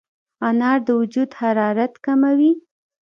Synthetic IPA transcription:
ɑnɑɾd̪əwʊd͡ʒud̪haɾɑɾat̪kamawi

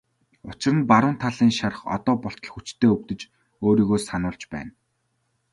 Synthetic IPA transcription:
ʊt͡ɕɪ̆rə̆npaɾʊːnt̪ʰaɮiːŋʃarə̆χɔ̰t̪ɔːpɔɬt̪ɞ̆ɮ̆xut͡ɕt̪ʰeːɵwt̪ɘ̆t͡ɕ | oːɾiːɣoːsanʊːɮt͡ɕpæ̰ːn

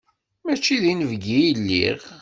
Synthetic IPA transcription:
mæt͡ʃːiðinəvɡijəlːḭʁ

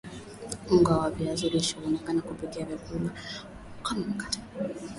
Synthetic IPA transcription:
uŋɡawaviazuɾiʃɔɔnɛkanakupikɛavjakula | kamakḁtḁ

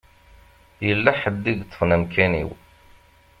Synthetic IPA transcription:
jəlːæħəd̪ːiɡt̪ːə̥fnæmkænḭw

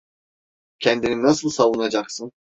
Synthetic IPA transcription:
cʰɛnd̪ininasɯlˠsavunad͡ʒaksɯn

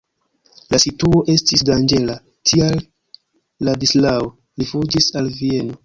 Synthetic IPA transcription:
lasituo̞ʔe̞stisdand͡ʒe̞la | tʰialː | adislao | lifud͡ʒisalvie̞no̞

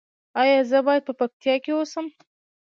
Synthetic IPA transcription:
ɑjɑzəbɑjad̪̚pəpak̚t̪ijɑkewosəm

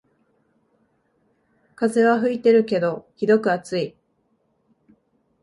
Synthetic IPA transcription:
kaze̞βaɦɯ̟it̪e̞ɾɯ̟ke̞d̪o̞çʲid̪o̞kɯ̟at͡sɨi

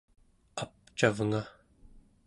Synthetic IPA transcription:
ap̚t͡ʃavŋa

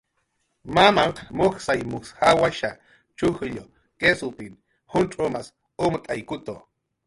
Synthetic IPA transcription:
mamaŋqmoxsajmushawaʃa | t͡ʃuhɨʎo | kesupin | hunʈ͡ʂʼomas | umt̪ʼajkut̪o

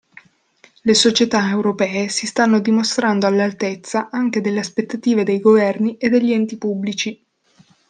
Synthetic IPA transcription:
lesot͡ʃet̪aewɾopɛːesist̪anːod̪imost̪ɾand̪oalːalt̪et̪sːaʔaŋk̟ed̪elːeaspet̪ːat̪iːved̪ejɡovɛrniʔed̪ːeʎːiɛnt̪ipubːlit͡ʃi

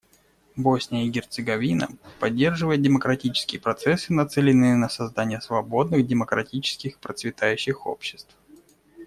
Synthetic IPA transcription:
bosʲnʲɪjəiɡʲɪrt̪sɨɡɐvʲinə̰pɐdʲːe̞rʐɨvəjɪt̪̚dʲɪməkɾɐtʲit͡ɕɪ̥skʲɪjəpɾɐt̪sɛsːɨnɐt̪sɛlʲɪnːɨjənəsɐzd̪anʲɪjəsvɐbo̞d̪nɨɣdʲɪməkɾɐtʲit͡ɕɪ̥skʲɪxpɾət̪svʲɪt̪ajʉɕːɪxo̞̰pɕːɪ̥st̪f

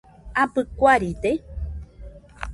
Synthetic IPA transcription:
apɨkʷaɾit̪e

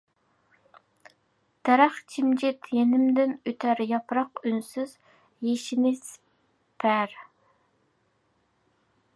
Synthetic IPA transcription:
t̪ʰɛɾæχt͡ʃʰimd͡ʒɪt̪jenɪmd̪ɪnøt̪ʰæɾjɑpɾɑqynsyz̥ | jeʃɪnɪs | pʰæɾ

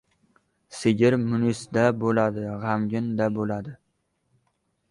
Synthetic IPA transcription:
sɪɡʲɪɾmʊnʊsd̪abolad̪ɪʁamɡʲɪnd̪abolad̪ɪ

